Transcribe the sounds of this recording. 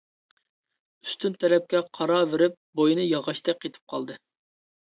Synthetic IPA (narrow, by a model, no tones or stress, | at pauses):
y̥st̪ynt̪ʰɛɾɛp̚kʲɛqʰɑɾɑveɾɪp̚bojnɨjɑʁɑʃt̪ɛk̚ʲet̪ʰɪ̥p̚qʰɑlˠd̪ɨ